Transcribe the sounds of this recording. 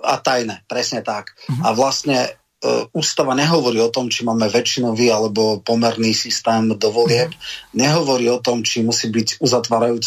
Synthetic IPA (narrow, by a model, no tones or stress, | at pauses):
a̰t̪ajnɛpɾɛsɲɛt̪akaʋlast̪ɲɛ | uːst̪aʋaɲɛɦɔʋɔɾiːɔt̪ɔmt͡ʃimaːmɛʋɛt͡ʃinɔʋiːalɛbɔpɔmɛɾniːsist̪ɛːmd̪ɔʋɔlɪɛpɲɛɦɔʋɔɾiːɔt̪ɔmt͡ʃimusiːbiɟuzat̪ʋaːɾajuːt͡s